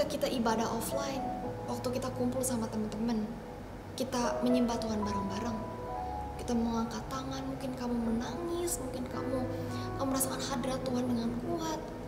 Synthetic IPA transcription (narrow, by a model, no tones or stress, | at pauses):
akit̪aʔibadaɦʔɔflaɪnwak̚t̪ukit̪akumpʊlsamat̪əmənt̪əmən | kit̪aməɲimbat̪uɦanbaɾaŋbaɾaŋ | kit̪amoŋaŋkat̪aŋanmuŋkɪnkamumənaŋɪsmuŋkɪnka̰mu | kamuməɾasakanhadiɾat̪ːuɦandəŋankuat̪̚